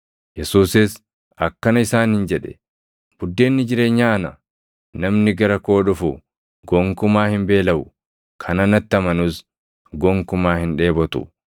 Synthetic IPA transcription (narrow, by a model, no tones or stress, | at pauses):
jɛsuːsɪs | ɐkːɐnɐɪsaːnhɪnd͡ʒɛᶑɛ̥ | b̥ʊd̪ːe̞ːnːɪd͡ʒɪɾe̞ːɲːaːɐnɐ | nɐmnɪɡɐɾɐko̞ːᶑʊfʊ | ɡɔŋkʊmaːhɪmbe̞ːlɐmʊ | kʰɐnɐnɐt̪ːɪɐmɐnʊs | ɡɔŋkʊmaːhɪnᶑe̞ːbɔt̪ʊ̰